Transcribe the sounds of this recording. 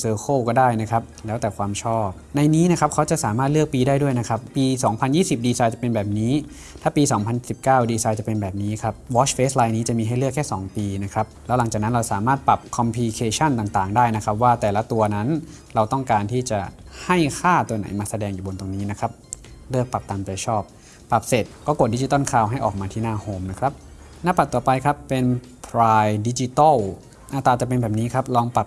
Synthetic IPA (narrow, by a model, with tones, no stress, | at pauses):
sɤː˧xʰoː˥˩wkɔː˥˩daː˥˩jna˦˥kʰa˦˥p̚lɛː˦˥wt̪ɛː˨˩kʰwaː˧mt͡ɕʰɔː˥˩p̚na˧jniː˦˥na˦˥kʰa˦˥p̚kʰa˦˥wt͡ɕa˨˩ʔsaː˩˦maː˥˩t̪̚lɯ˥˩ək̚piː˧daː˥˩jdu˥˩jna˦˥kʰa˦˥pːiː˧sɔː˩˦ŋpʰa˧njiː˥˩si˨˩p̚diː˧saː˧jt͡ɕa˨˩pe˧nbɛː˨˩p̚niː˦˥ | t̪ʰaː˥˩piː˧sɔː˩˦ŋpʰa˧nː˩si˨˩p̚kaː˥˩wdiː˧saː˧jt͡ɕa˨˩pe˧nbɛː˨˩p̚niː˦˥kʰa˦˥p̚wɔː˦˥t͡ɕfeː˦˥slaː˧jniː˦˥t͡ɕa˨˩miː˧ɦa˥˩jlɯ˥˩əkʰːɛː˥˩sɔ̰ː˩˦ŋpiː˧na˦˥kʰa˦˥p̚lɛː˦˥wla˩˦t͡ɕaː˨˩k̚na˦˥nɾa˧wsaː˩˦maː˥˩t̪̚pa˨˩p̚kʰɔ˧mpʰiː˧kʰeː˧t͡ɕʰa˥˩nt̪aː˨˩ŋt̪aː˨˩ŋdaː˥˩jna˦˥kʰa˦˥p̚waː˥˩t̪ɛː˨˩la˦˥t̪u˧ɐna˦˥n | ɾa˧wt̪ɔ˥˩ŋkaː˧nt̪ʰiː˥˩t͡ɕa˨˩ha˥˩jkʰaː˥˩t̪u˧ɐna˩˦jmaː˧sa˧dɛː˧ŋjuː˨˩bo˧nt̪o˧ŋniː˦˥na˦˥kʰɾa˦˥p̚ | lɯ˥˩ək̚pa˨˩p̚t̪aː˧mt͡ɕa˧t͡ɕʰɔː˥˩p̚ | pːa˨˩p̚se˨˩t̪̚kɔː˥˩ko˨˩t̪̚di˦˥t͡ɕi˦t̪ɔ˥˩˨nkʰaː˧˩wɦa˥˩jʔɔː˨˩k̚maː˧t̪ʰiː˥˩naː˥˩hoː˧˩mna˦˥kʰɾa˦˥p̚ | na˦˥˩pːa˨˩t̚t̪uː˨˩pa˧jkʰa˦˥pːe˧n | pʰɾaː˧jdi˦˥t͡ɕi˧t̪ɔ˥˩w | ʔaː˧˩t̪aː˧t͡ɕa˨˩pe˧nbɛː˨˩p̚niː˦˥kʰɾa˦˥p̚lɔː˧ŋpa˨˩p̚